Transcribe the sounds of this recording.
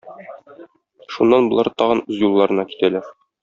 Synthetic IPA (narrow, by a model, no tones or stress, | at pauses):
ʃunːɑnbŏlˠɑɾt̪ɒʁɤnʉzjulˠːɑɾɤ̆nɑki̥t̪ælæɾ